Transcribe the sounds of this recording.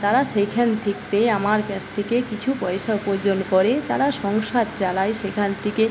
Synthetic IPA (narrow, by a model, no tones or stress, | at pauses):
t̪aɾaʃekʰant̪ʰekt̪eamaɾkɛt͡ɕt̪ʰekekit͡ɕʰupɔeʃaupod͡ʑonkoɾet̪aɾaʃɔŋʃad̪̚t͡ɕalajʃekʰant̪ʰike